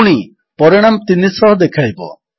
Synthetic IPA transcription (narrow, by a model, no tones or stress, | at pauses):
ɽ̃i | pɔɾɔɽ̃amt̪inisɔɦɔd̪ekʰajbɔ̰